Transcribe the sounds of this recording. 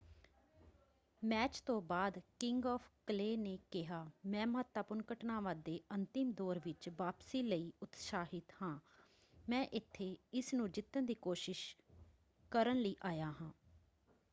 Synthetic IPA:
mɛːt͡ʃt̪õːbaːd̪kɪŋɡɔːpʰkəleːneːkɪɦaːmɛ̃ːməɦət̪ːaːpʊnkəʈnaːʋãːd̪eːʔənt̪ɪmd̪ɔːɾʋɪt͡ʃʋaːpsiːləiːʊt̪saːɦɪt̪hãː | mɛ̃ːʔɪt̪ʰːeːɪsnũːd͡ʒɪt̪ːənd̪iːkoːʃɪʃ | kəɾənləiːʔaːjaːɦãː

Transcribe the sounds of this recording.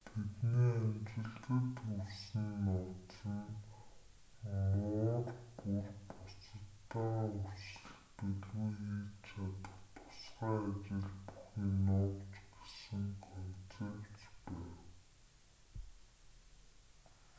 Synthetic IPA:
t̪ʰet̪neːæmt͡ɕɪ̆ɮt̪ɘ̆t̪ɵrsɘ̆nːɔt̪t͡sə̆n | mʊːrpurpʊt͡sə̆t̪ːaːursɘ̆ɮpeɮwuiːt͡ɕʰat̪ə̥̆χt̪ʰʊ̥sɢaːt͡ɕɪ̆ɮpu̥xʲiːnʊːwt͡ɕɡe̥sɘ̆ŋkʰɔnt͡seːwt͡ɕpæːw

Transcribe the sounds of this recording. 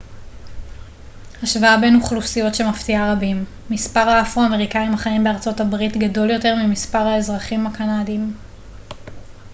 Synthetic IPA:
haʃvaabe̞nuχlusijo̞tʃe̞maftiaʁabimː | ispaʁaafuame̞ʁikaimaχaimbeaʁt͡so̞tabʁitɡado̞ljo̞te̞ʁmimispaʁhae̞zʁaχimakanadim

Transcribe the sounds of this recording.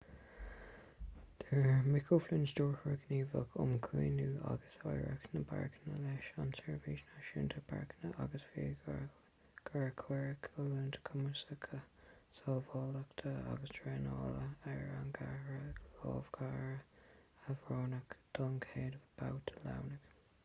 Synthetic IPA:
d̪̥əɹmɪkʰoflɪnstɔːɹxəɹəɡniːvəkʰʊ̰mkʰwḭːnuːa̰ɡəsajɹə̰knəba̰ɹknəlɛʃansɛɹviʃnaʃɪntʰəbʰa̰ɹknəʔaɡəsfiː | ɡ̥aɹkʰwɛɹəkʰəlunt̪ʰə̥kʰʊməɹsəkʰəsɔːvɔːləkt̪ʰəa̰ɡəstʰɹɛnɔ̰ːləɛɹaŋɡaɹəlɔːvɡ̥aːɹəavɹɔːnəkd̪̥ɔŋkʰeːdəvəb̥awtʰə̥la̰wnək

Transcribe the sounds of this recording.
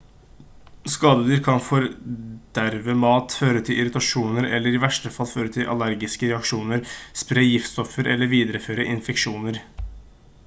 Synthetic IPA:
skɑːd̪əd̪əɾkʰɑnfɔɾd̪̥æɾʋəmɑːt̪føːɾət̪ʰɪlʔɪɾʏt̪ɑʂuːnəɾɛ̰lːəɾɪʋæʂʈəfɑlføːɾət̪ʰɪlʔɑ̰læɾɡɪskəɾɛɑkʂuːnəɾspɾeːjɪft̪st̪ɔfəɾʔɛlːəɾʋiːd̪ɾəføːɾəʔɪnfɛkʂuːnəɾ

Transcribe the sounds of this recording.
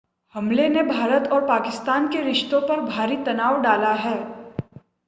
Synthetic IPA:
hɐ̃mlenebʱaːɾət̪ɔːɾpaːkɪst̪aːnkeɾɪʃt̪õpɐɾbʱaːɾit̪ɐnaːʋɖaːlaɦɛː

